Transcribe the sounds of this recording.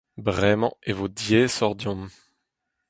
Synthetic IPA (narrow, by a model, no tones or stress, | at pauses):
bʁɛmɑ̃evod̪jesɔʁd̪jɔ̃m